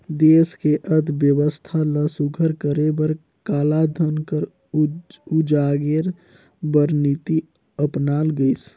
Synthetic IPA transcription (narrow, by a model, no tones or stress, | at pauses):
d̪eːskeʔəd̪ʱbjəwəst̪ʰaləsuɡʱəɾkəɾebəɾ | kaːlad̪ʱənkəɾ | ud͡ʒaɡeɾ | bəɾnit̪i | əpnaːlɡəɪs